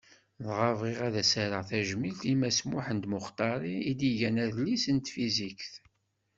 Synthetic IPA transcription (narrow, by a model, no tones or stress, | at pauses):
ðʁəvʁiʁæðæsæɾəʁθæʒmilt̪imæsmʊħənd̪mʊχt̪ˤɑɾˤiid̪iʝænæðlːisənt̪fizikθ